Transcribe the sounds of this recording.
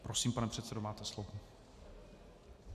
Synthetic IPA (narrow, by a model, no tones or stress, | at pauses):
pɾosiːmpanɛpr̥ɛt̪sɛdomaːt̪ɛslovo